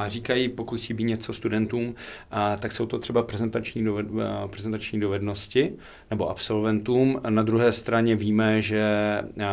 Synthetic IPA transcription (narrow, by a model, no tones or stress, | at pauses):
ariːkajipokucsiːbiːt̪ɲɛt͡so̞st̪udɛnt̪uːmt̪aksowt̪o̞t̪r̝ɛbapɾɛzɛnt̪at͡ʃɲiːopɾɛzɛnt̪at͡ʃɲiːdovɛdno̞scɪ | nɛbo̞ʔapso̞lvɛnt̪uːmnad̪ɾuɦɛːst̪ɾaɲɛviːmɛʒɛ